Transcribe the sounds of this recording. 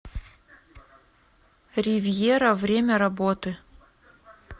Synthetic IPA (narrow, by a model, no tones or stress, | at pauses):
rʲɪvʲjeɾɐvɾʲemʲɐɾɐbot̪ɨ